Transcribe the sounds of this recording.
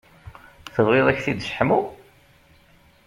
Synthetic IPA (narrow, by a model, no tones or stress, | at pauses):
θəðˤwɪðˤæçθid̪ʃə̥ħmu